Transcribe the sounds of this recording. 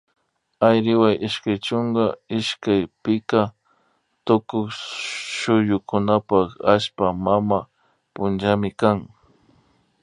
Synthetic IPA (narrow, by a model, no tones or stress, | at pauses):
ajɾɪwajʔɪʃkajt͡ʃʊŋɡaɪʃkajpɪka | t̪ʊkʊkʃʊjʊkʊnapakaʃpamama | pʊnd͡ʒamɪkaŋ